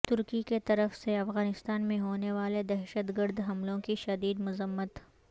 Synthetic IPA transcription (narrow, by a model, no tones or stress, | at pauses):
t̪ʊɾkiket̪ɐɾəfseɐfɣaːnɪst̪aːnmẽɦoːneʋaːled̪ɛɦʃət̪ɡəɾd̪ɦɐmlõkiʃɐd̪iːd̪mʊzəmːət̪